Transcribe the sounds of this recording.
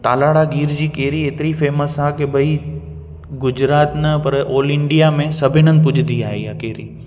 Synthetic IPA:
t̪aːlaːɽaɡiːɾd͡ʑiːkeːɾieːt̪ɪɾifeːməsɦaːkebʱɐi | ɡʊd͡ʑɾaːt̪nɐpɐɾoːlɪ̃ɳɖijamẽsɐbʱɪnənɪ̆p̬ʊʄʱnd̪iaːɦḛjakeːɾḭː

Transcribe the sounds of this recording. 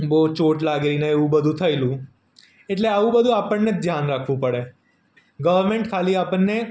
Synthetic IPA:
boːt͡ʃoːʈlaːɡɾiːnauːbəd̪uːt̪ʰəilũː | ɪʈleːəuːbəd̪uːaːpənːed͡ʒjaːnɾəkʰʋuːpəɽeː | ɡəʋəɾmẽːɳʈkʰaːliːaːpənːeː

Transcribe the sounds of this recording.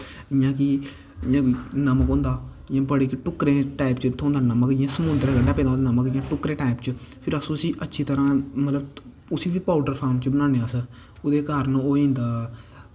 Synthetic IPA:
ɪjãːki | jãːnəməkõːnd̪aː | ɪjãːbəɽiːkʈʊkɾẽːʈaːɪpt͡ʃət̪ʰõːnd̪aːnəməkɪãːsəmʊ̃nd̪ɾaːɡəɳɖaːpẽːnd̪anəməkɪjãːʈʊkːɾẽːʈaːɪpt͡ʃəpʰɪɾəsõːəsĩːʔətːʃʰiːt̪əɾãːmət̪ləb | ʊsiːʋiːpaːɖəɾpʰaːɾmt͡ʃəbənãːneãːsə | ʊd̪eːkaːɾnãoːĩːnd̪aː

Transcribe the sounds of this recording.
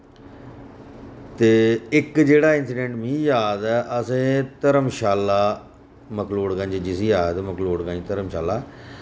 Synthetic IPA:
t̪eːɪkd͡ʒeːɽaːɪnsiːɖẽɳʈmĩːjaːd̪ɛːʔəsẽːt̪əɾəmʃaːlːaː | məkloːɽɡə̃nd͡ʒd͡ʒɪsiːaːd̪məkloːɽɡə̃nd͡ʒt̪əɾəmʃaːlaː

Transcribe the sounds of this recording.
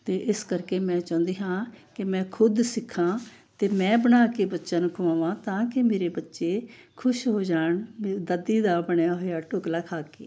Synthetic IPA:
t̪eːʔɪskəɾkeːmɛ̃ːt͡ʃãːnd̪iːɦãːkɪmɛ̃ːkʰʊd̪sɪkʰːãːt̪eːmɛ̃ːbəɽaːkeːbətːʃaːnːkʰʊmaːʋãːt̪ãːkɪmeːɾeːbətːʃeː | kʰʊʃɦoːd͡ʒaːɳd̪əd̪iːd̪aːbəɳjaːɦoːjaːʈʊklaːkʰaːkḛː

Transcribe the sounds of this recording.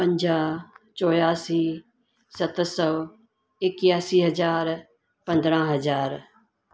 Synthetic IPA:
pə̃ɲd͡ʒaːt͡ʃoːjaːsiː | sət̪səʋ | ɪkjaːsiːɦəd͡ʒaːɾ | pɐ̃nd̪ɾãːɦɐzaːɾ

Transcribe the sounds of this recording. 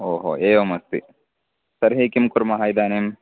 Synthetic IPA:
oːɦo̰ːeːʋomɐst̪ḭ | sɐɾɦeːkimkuɾmɐɦaːjd̪aːneːm

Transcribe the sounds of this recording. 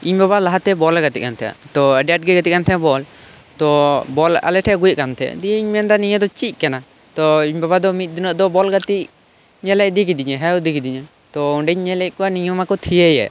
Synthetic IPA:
iɲbaβalaɦat̪ɛbɔlaɡat̪ḭʔant̪ʰɛa̰t̪ɔəɖjaʈ̚ɡɛɡat̪ikant̪ʰɛbɔl | t̪ɔbɔla̰lɛʈʰɛɡujʔkant̪ʰɛ̰d̪iiɲmɛnd̪aniɲəd̪ɔt͡ʃic̚ˀkana | t̪ɔiɲbabad̪ɔmit̪̚d̪inɔʔd̪ɔbɔlɡat̪iʔ | ɲɛlɛʔ̚d̪ikid̪iɲəɦɛɔd̪ikid̪iɲə | t̪ɔuɳɖɛɲːɛlɛckɔwaniɲɔmakɔt̪ʰijəjɛ̰

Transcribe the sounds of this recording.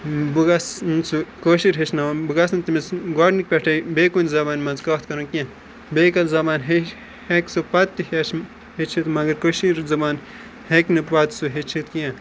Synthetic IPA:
buɡasnsukoːʃiɾɦet͡ʃnɐbuɡasnt̪imit͡sɡaɽnik̚ʲpʲeʈʰɐbeːkunʲzɐbaːnmɐnzkɐːt̪̚ʰkɐɾũːkijãː | beːkɐlzɐbaːnɦe | heksupɐt̪ːihɐt͡ʃʰ | het͡ʃʰit̪mɐɡɐɾkoːʃiɾzɐbaːn | heknɨpaːt̪suɦet͡ʃʰit̪kijãː

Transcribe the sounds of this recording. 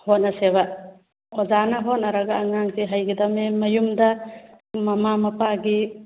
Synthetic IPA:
hot̚nɐseβa | od͡ʒanɐɦot̚naɾaɡaːŋaŋsiɦajɡidamemɐjumdɐ | mɐmamɐpaɡi

